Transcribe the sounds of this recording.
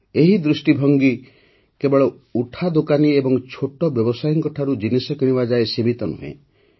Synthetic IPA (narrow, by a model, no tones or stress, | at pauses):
eɦid̪ɾusʈibʱɔŋɡi | kebɔɭɔ | uʈʰad̪okaniebɔŋt͡ʃʰoʈɔbjɔbɔsajɔŋkɔʈʰaɾud͡ʒinisɔkiɽ̃ibad͡ʒaesimit̪ɔnṵɦḛ̃